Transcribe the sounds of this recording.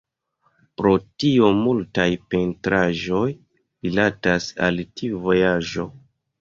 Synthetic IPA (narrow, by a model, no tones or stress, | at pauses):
pɾo̞tiomultajpe̞ntɾaʒo̞j | ɾilatasa̰ltiuvo̞jaʒo̞